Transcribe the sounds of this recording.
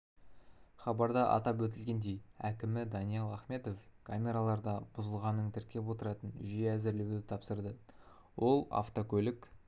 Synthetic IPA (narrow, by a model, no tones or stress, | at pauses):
χɑbɑɾd̪ɑʔɑ̰t̪ɑp̬wɵt̪̬ɪlɡʲe̞nd̪e̞jækʲɪmɪd̪ɑnijelˠɑχme̞t̪o̞fkʰamʲe̞ɾalˠɑɾd̪ɑb̥ʊzəlˠʁɑnːəŋt̪ʰɪɾkʲe̞pwo̞t̪əɾɑt̪ənʒieæzɪɾlewd̪ɪt̪ʰɑpsəɾd̪ə | wʔo̞lˠa̰ft̪o̞kʲʰɵlɪk